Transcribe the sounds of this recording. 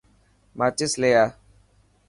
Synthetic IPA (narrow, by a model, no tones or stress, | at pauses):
mat͡ʃɪslejaː